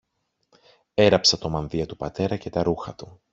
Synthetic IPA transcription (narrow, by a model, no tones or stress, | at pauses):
e̞ɾɐpsɐt̪o̞mɐnðiɐt̪upɐt̪e̞ɾɐce̞t̪ɐɾuxɐt̪u